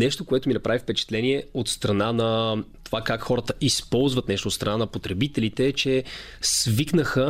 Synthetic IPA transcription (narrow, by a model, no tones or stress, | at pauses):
nɛʃt̪okoɛt̪ominɐpɾavifpɛt͡ʃɛ̥t̪lɛniɛot̪st̪ɾɐnanɐt̪ovakakxɔɾət̪əʔispɔlˠzvɐt̪nɛʃt̪oːt̪st̪ɾɐnanɐpot̪ɾɛbit̪ɛlit̪ɛːt͡ʃɛ | sviknəxə